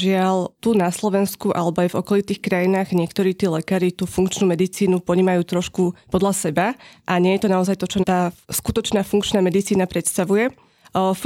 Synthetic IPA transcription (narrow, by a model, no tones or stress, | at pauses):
ʒɪalt̪unaslɔʋɛnskuʔalɛbɔajvɔkɔlit̪iːxkɾajinaːɣɲɪɛkt̪ɔɾiːt̪iːlɛkaːɾit̪uːfuŋkt͡ʃnuːmɛd̪it͡siːnupɔɲiːmajuːt̪ɾɔʃkupɔd̪lasɛbaʔaɲɪɛjɛt̪ɔnaɔzajt̪ɔt͡ʃɔt̪aːskut̪ɔt͡ʃnaːfuŋkt͡ʃnaːmɛd̪it͡siːnapɾɛt̪st̪aʋujɛ